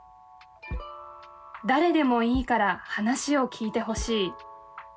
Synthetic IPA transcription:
d̪aɾe̞d̪e̞mo̞iːkaɾahanaɕio̞kʲʰiːt̪e̞ɦo̞ɕiː

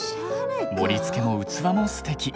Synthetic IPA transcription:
mo̞ɾʲit͡sɨ̥ke̞mo̞ɯ̟t͡sɨβamosɨ̥t̪e̞kʲi

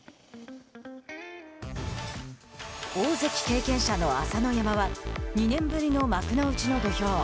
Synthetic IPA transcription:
oːzekʲi̥ke̞ːkẽ̞ɰ̃ɕano̞asano̞jamaβaɲ̟inẽ̞mbɯ̟ɾʲino̞makɯ̟noɯ̟t͡ɕino̞d̪o̞ço̞ː

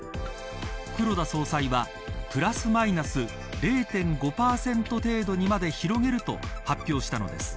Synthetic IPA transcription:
kɯ̟ɾo̞d̪aso̞ːsaiβa | pɯ̟ɾasɨmainasɨ | ɾe̞ːt̪ẽ̞ŋɡo̞paːsẽ̞nt̪o̞t̪e̞ːd̪o̞ɲ̟imad̪e̞çiɾo̞ɡe̞ɾɯ̟t̪o̞̰hapʲːjo̞ːɕi̥t̪ano̞d̪e̞sɨ̥

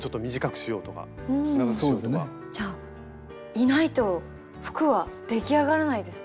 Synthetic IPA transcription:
t͡ɕo̞t̪ːomʲiʑikakɯ̟̥ɕijo̞ːt̪o̞ka̰ɯ̃asoːdoson | d͡ʑaː | inait̪o̞ | ɸɯ̥kɯ̟βad̪̥e̞kʲiaɣaɾanaid̪e̞sɨ̥

